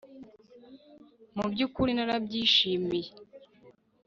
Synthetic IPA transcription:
mubɟukuɾinaɾabɟiːʃiːmije

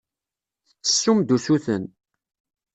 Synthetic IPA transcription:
θət͡sːə̥sːumd̪usuθən

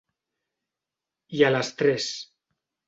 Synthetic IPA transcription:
jalast̪ɾɛs

